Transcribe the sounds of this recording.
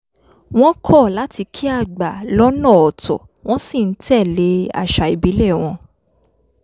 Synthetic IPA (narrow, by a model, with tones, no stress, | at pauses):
w̃ɔ̃˦kʰɔ˦˨la˦ti˧kʰi˦a˦˨ɡ͡ba˨lɔ˦nã˦˨ɔ˨tɔ̰˨ | w̃ɔ̃˦si˦˨n̩˦tɛ˦˨le˧˦a̰˦˨ʃa˨i˨bi˨˦lɛ˦˨w̃ɔ̃˧